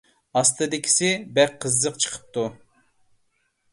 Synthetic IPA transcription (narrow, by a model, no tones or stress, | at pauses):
ɑst̪ʰɨd̪ɪkʲʰi̥sɪbɛqʰːəzːəqt͡ʃʰə̥qʰə̥p̚t̪u